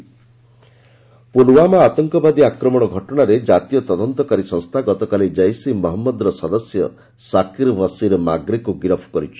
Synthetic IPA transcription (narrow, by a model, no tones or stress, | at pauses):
puluwamaat̪ɔŋkɔbad̪iakɾɔmɔɽ̃ɔɡʱɔʈɔɽ̃aɾed͡ʒat̪ijɔt̪ɔd̪ɔnt̪ɔkaɾisɔŋst̪ʰaɡɔt̪ɔkalid͡ʒajsimɔɦɔmːɔd̪ɔɾɔsɔd̪ɔsjɔ̰ | sakiɾbɔsiɾɔma̰ɡɾikuɡiɾɔpʰɔ̥kɔɾit͡ʃʰi̥